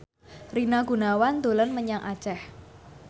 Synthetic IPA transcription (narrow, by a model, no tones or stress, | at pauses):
rinaɡ̥ṳnawand̪o̤lənməɲaŋʔḁt͡ʃɛh